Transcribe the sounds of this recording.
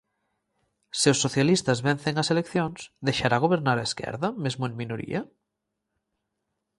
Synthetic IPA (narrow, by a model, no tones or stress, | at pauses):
seosːoθjalist̪azβɛn̟θeŋɐselekθjoŋsðejʃaɾaɣ̞oβ̞eɾnaɾaeskɛ̰ɾðɐmezmoeŋminoɾḭɐ